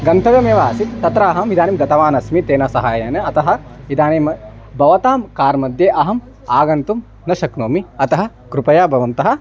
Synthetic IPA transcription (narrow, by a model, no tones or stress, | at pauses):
ɡɐnt̪ʰɐʋjɐmjɐʋaːsit̪ːɐt̪ɾaːɦɐmʋid̪ʱaːniːmd̪ɐt̪ɐʋaːnɐsmit̪eːnɐsɐɦaːjɐnɐɐt̪ɐɦɐ̆id̪aːneːm | bʱɐʋɐt̪aːmkaːɾmɐd̪jeːʔɐɦɐm | aːɡɐnt̪um | nɐʃɐknoːmiɐt̪ɐɦɐ̆ | kɾupɐjaːbʱɐʋɐnt̪ɐɦɐ̆